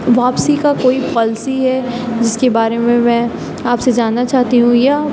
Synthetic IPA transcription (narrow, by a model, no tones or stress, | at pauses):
ʋaːpsikakoːipɔːlsiɦɛd͡ʒɪskebaːɾemẽmɛ̃ː | aːpsed͡ʒaːnːat͡ʃaːɦt̪iɦũja